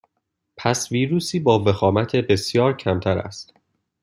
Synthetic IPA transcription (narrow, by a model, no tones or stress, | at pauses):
pʰæsviːɾuːsiːbɒːve̞xɒːmæt̪ʰebe̞sjɒːɾcʰæmt̪ʰæɾæ̰st̪